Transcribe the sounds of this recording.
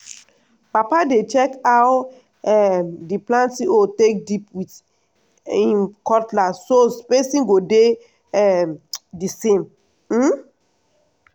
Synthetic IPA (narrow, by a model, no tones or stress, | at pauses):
papadet͡ʃɛkaw | ɛdiplãntiotek̚dipwit | ĩnkɔtlasospesĩŋɡode | ɛdisẽm | m̩